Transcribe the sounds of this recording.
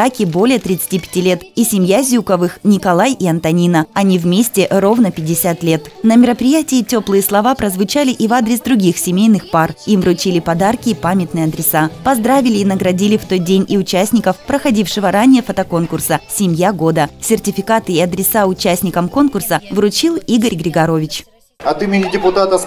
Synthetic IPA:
akʲɪbo̞lʲɪjət̪ɾʲɪt̪sɨ̥tʲipʲɪ̥tʲilʲe̞t̪isʲɪmʲjazʲukəvɨxnʲɪkɐlˠajiɐnt̪ɐnʲinəɐnʲivmʲesʲtʲɪro̞vnəpʲɪdʲːɪsʲat̪lʲe̞t̪nəmʲɪɾəpɾʲɪjætʲɪːtʲo̞plˠɨjəslˠɐvapɾəzvʊt͡ɕalʲɪʔivad̪ɾʲɪsd̪ɾʊɡʲixsʲɪmʲejnɨxparimvɾʊt͡ɕilʲɪpɐd̪arkʲɪːpamʲɪt̪nɨjɐd̪ɾʲɪsapɐzd̪ɾavʲɪlʲɪːnəɡɾɐdʲilʲɪft̪o̞t̪̚dʲenʲiʊt͡ɕæsʲnʲɪkəfpɾəxɐdʲifʂɨvəɾanʲɪjəfət̪ɐko̞nkʊrsəsʲɪmʲjaɡo̞d̪əsʲɪrtʲɪfʲɪkat̪ɨɪɐd̪ɾʲɪsaʊt͡ɕæsʲnʲɪkəmko̞nkʊrsəvɾʊt͡ɕilˠiɡəɾʲɡɾʲɪɡɐɾo̞vʲɪt͡ɕ | ɐt̪ɨmʲɪnʲɪdʲɪpʊt̪at̪ə

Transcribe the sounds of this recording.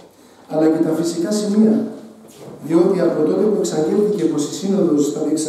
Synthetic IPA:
ɐlɐce̞t̪ɐfisikɐsimiɐ | ðio̞t̪iɐpo̞t̪o̞t̪e̞pue̞ksɐɲɟelθice̞po̞sisinoðo̞sθɐɾiks

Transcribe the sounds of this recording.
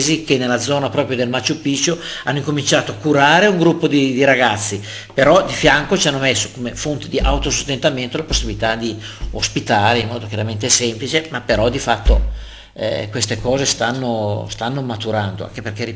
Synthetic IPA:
zikenːelad̪zɔːnapɾɔːpɾjod̪elmat͡ʃːupit͡ʃːoanːoiŋkomint͡ʃaːt̪oakːuɾaːɾeuŋɡɾupːod̪id̪iɾaɡat̪sːi | peɾɔd̪ifjaŋkot͡ʃianːomesːo̥komefont̪ed̪iʔa̰wt̪osost̪ent̪ament̪olaposːibilit̪ad̪iospit̪aːɾeimːɔːd̪okjaɾament̪ɛsɛmplit͡ʃemapeɾɔd̪ifat̪ːo | ɛ̰kwest̪ekɔːzest̪anːost̪anːomat̪uɾand̪o̰a̰ŋk̟eperk̟eri

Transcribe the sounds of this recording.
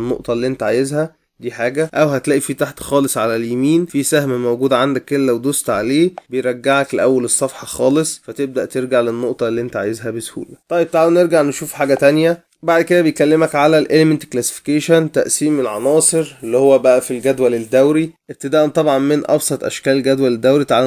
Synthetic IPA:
nːo̰ʔt̪ˤɑlːiːʔent̪æʕaːjezhæ | d̪iːħaːɡæʔæwɦæt̪læːʔifiːt̪aħt̪xɑːlesˤʕalæljæmiːnfisæhmæmowɡuːd̪æʕand̪ækːelælæwd̪ost̪ʕaleːbejɾˤɑɡːaʕækleʔæwːælesˤːɑfħɑxɑːlesˤfæt̪eb̚d̪æʔt̪eɾɡaʕlenːoʔt̪ˤɑlːiːʔent̪æʕa̰ːjezɦæbeshṵːlæt̪ˤɑjːeb̚t̪aʕwneɾɡaʕneʃuːfħaːɡæt̪ænjæ | baʕd̪ked̪æbejkælːemækʕalælʔelement̪klæse̥fi̥kæʃænt̪æʔsiːmelʕɑ̰nɑːsˤeɾelːihowːæbæʔæfilɡæd̪wæled̪ːæwɾiʔeb̚t̪ed̪æːʔont̪ˤɑbʕɑnmenʔɑ̰bsˤɑt̪ˤʔæ̰ʃkæːʔelɡæd̪wæled̪ːæwɾit̪aʕaw

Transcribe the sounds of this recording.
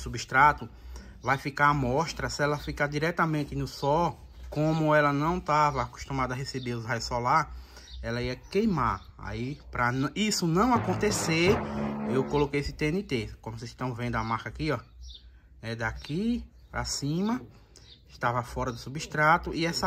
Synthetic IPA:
subiʃt̪ɾat̪ʊ | vajfikaamɔʃt̪ɾɐsɪɛlɐfikaɾd̪iɾɛt̪ɐmẽnt̪ɪnʊsɔw | kõmʊɛlɐnɐ̃w̃t̪avɐku̥ʃt̪ũmad̪ɐaɦesebeɾʊzhajʊsɔlaɾ | ɛlɐiɐkejma̰ɾ | a̰ipɾɐnisʊnɐ̃w̃akõnt̪eseɾewkolokejesɪt̪ẽnɪt̪eskõmʊseʃt̪ɐ̃w̃vẽnd̪ʊɐmaɾkɐakiɔ | nɛd̪aki | pɾasĩmɐ | ʃt̪avɐfɔɾɐd̪ʊsubiʃt̪ɾat̪ʊiɛsɐ

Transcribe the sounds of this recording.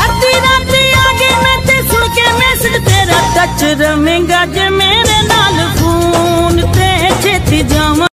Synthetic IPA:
ɦɐɾt̪iːɾaːt̪ɾiːaːɡeːmɛ̃ːt̪eːsʊɽkeːmẽːsɪkt̪eːɾaːt̪ət͡ʃɾɐʋẽːŋɡaːd͡ʒeːmeːɾeːnaːlkʰunt̪eːt͡ʃʰeːt̪iːd͡ʒãːmãː

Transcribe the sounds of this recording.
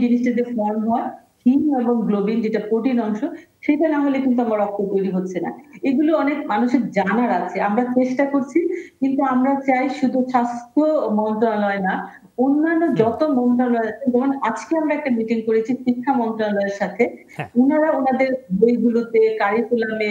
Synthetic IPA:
d͡ʑiniʃʈad̪eɾfɔɾmɦɔe | hʰimeboŋɡlobiŋd͡ʑeʈapoʈinɔŋʃoʃejʈanamolekint̪̬uamaɾɔk̚t̪ʰːot̪ojɾiɦotːɕʰena̰eɡuloɔnekmanuʃeɾd͡ʑanaɾat͡ɕʰeamɾat͡ɕeʃʈakoɾt͡ɕʰikint̪uamɾat͡ɕajʃud̪ʱuʃast̪ʰomɔnt̪ɾonalɔena | onːanːod͡ʑɔt̪omɔnt̪ɾonalɔeat͡ɕʰed͡ʑɔmonad͡ʑkeamɾaɛk̚ʈamiʈiŋkoɾet͡ɕʰiʃikʰːamɔnt̪ɾonalɔeɾʃat̪ʰe | onaɾaonad̪eɾbʱojɡulot̪ekaɾikulame

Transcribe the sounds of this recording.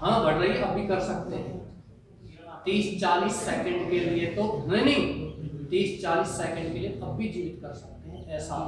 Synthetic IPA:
ɦãːbɐɽɾəiɐbʱikɐɾsɐk̚t̪eɦɛ̃ː | t̪iːst͡ʃaːliːsːeːkə̃ɳɖkeliet̪oɦẽnɐɦĩt̪iːst͡ʃaːliːsːeːkə̃ɳɖ̚kelieɐbːʱid͡ʒiːʋɪt̪̚kɐɾsɐk̚t̪eɦɛ̃ʔɛːsa

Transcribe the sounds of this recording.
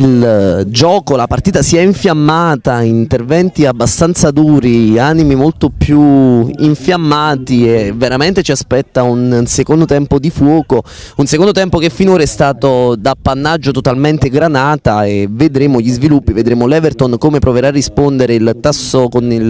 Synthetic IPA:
ild͡ʒɔːkolapart̪iːt̪asiɛiɱfjamːaːt̪aint̪ervɛnt̪iabːast̪ant̪sad̪uːɾianimimolt̪opjuiɱfjamːaːt̪ieveɾament̪et͡ʃiaspɛt̪ːaunsekond̪ot̪ɛmpod̪ifwɔːko | unsekond̪ot̪ɛmpokefːinoːɾaɛst̪aːt̪od̪apːanːad͡ʒːot̪ot̪alment̪eɡɾanaːt̪aevːed̪ɾeːmoʎizvilupːived̪ɾeːmolɛvert̪onkomepɾoveɾaːrːispond̪eɾeilt̪asːokonil

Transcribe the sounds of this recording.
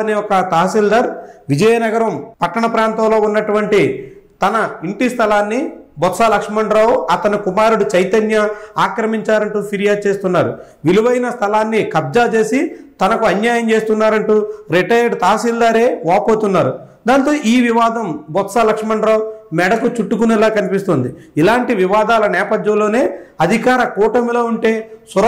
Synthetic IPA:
ɐniɔkɐt̪aːɦsild̪aːɾʋid͡ʒɐjɐnɐɡɐɾɐmpɐʈːɐɳɐpɾaːnt̪ɐmlo̞ːunːɐʈuʋɐɳʈit̪ɐnɐiɳʈist̪ʰɐlaːnːibɔt̪saːlɐkʂɐmɐɳɖɾaːwɐt̪ɐnikumaːɾuɽut͡ʃɐjt̪ɐnjɐaːkɾɐmiɲt͡ʃaːɾɐɳʈuːpʰiɾijaːd̪̚t͡ʃe̞ːst̪unːaːɾṵ | ʋiluʋɐjnɐst̪ʰɐlaːnːikɐb̚d͡ʒaːt͡ʃe̞ːsit̪ɐnɐkuɐnjaːjɐmt͡ʃeːst̪unːaːɾɐɳʈuːɾeʈɐjɐɖt̪aːsild̪aːɾe̞ːʋaːpoːt̪unːaːɾud̪aːnt̪o̞ːʔiːʋiʋaːd̪ʱɐmbɔt̪saːlɐkʂɐmɐɳɖɾaːwmɛɽɐk̪ut͡ʃuʈːukunɛlaːkɐnipist̪oːnd̪iilaːɳʈiʋiʋaːd̪aːlɐnɛːpɐd̪jɐ̃mloːne̞ːɐd̪ʱikaːɾɐkuːʈɐmlo̞ːuɳʈe̞ːsuɾ

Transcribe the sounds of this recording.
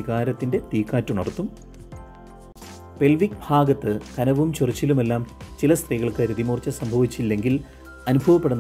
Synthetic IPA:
iɣaːɾɐt̪ːinde̞t̪iːkːaːtːunɐrt̪ːum | pe̞lʋikbʱaːɡɐt̪ːɨkɐnɐʋumt͡ɕurit͡ɕːilume̞lːaːmt͡ɕilɐst̪riɣɐɭkɨɾiðimuːrt͡ɕːɐsɐmbʱɐʋit͡ɕːilːe̞ŋɡil | ɐnubʱɐʋɐpːe̞ɽunː

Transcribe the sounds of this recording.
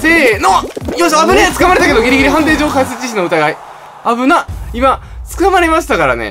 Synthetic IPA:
senojosabɯnaat͡sɨ̥kamaɾe̞t̪ake̞d̪o̞ɡʲiɾʲiɡiɾiɦãnt̪e̞ːd͡ʑo̞ːkasɨt͡ɕiɕ̬ino̞ɯ̟t̪aɡai | abɯ̟naima | t͡sɨ̥kamaɾe̞maɕi̥t̪akaɾa̰ne̞̰

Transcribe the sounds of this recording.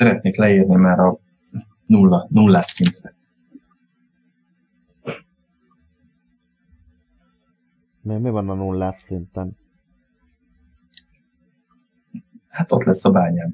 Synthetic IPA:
ɛɾɛt̪neːklɛiːrnimaːɾɒ | nulːɒnulːaːsint̪rɛ | memivɒnɒnulːaːsːint̪ɛn | hat̪o̞̰t̪lɛsːɒbaːɲaːm

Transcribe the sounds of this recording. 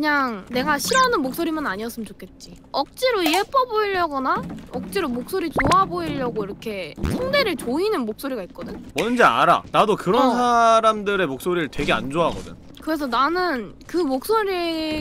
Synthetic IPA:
kɯɲaŋne̞ɡaɕʰiɾʌnɯnmok̚s͈oɾimanaɲiʌs͈ɯmɯnt͡ɕokʰe̞t̚t͡ɕ͈i | ʌk̚t͡ɕ͈iɾoiep͈ʌboiʎːʌɡʌnaʌk̚t͡ɕ͈iɾomok̚s͈oɾit͡ɕoaboiʎːʌɡoiɾʌkʰe̞sʰaŋde̞ɾɯɭt͡ɕoinɯnmok̚s͈oɾiɡait̚k͈ʌdɯɲomʌnd͡ʑea̰ɾa̰nadokɯɾʌnsʰaɾamdɯɾe̞mok̚s͈oɾiɾɯɭtwe̞ɡea̰nd͡ʑoaɦaɡʌdɯ̰ɲokɯɾe̞s̬ʰʌnanɯn | kɯmok̚s͈oɾi

